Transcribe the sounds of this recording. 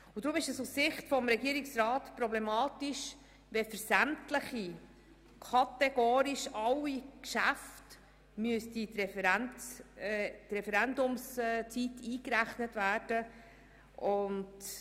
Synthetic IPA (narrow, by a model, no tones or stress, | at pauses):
ʊd̥̪ɾʊmɪʃəsussɪχtfɔmɾɛɡiːəɾɪksrɑːtpɾɔblɛmɑːtiʃ | ʋɛfəɾsæmtləχi | kʰɑtɛɡ̥ɔːɾiʃɑwikʃæft | myəstitɾɛɾn | tɾɛfɛɾændʊmst͡sitiːkɾæχnətvæːrd̥ə | ʔʊnd